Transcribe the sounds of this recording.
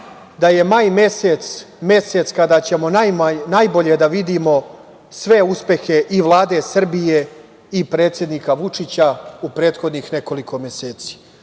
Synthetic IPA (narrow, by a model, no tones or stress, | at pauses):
d̪aje̞majmeset̪s | me̞se̞t̪skad̪aːt͡ɕe̞mo̞najmanajboʎe̞d̪aʋid̪imo̞ | sʋe̞uspe̞xe̞ʔiʋlˠaːd̪e̞sr̩bije̞ | ipɾeːt̪sje̞d̪niːkaʋut͡ʂit͡ɕaupɾe̞ːt̪xo̞d̪nixne̞ko̞likʰo̞meseːt̪si̥ː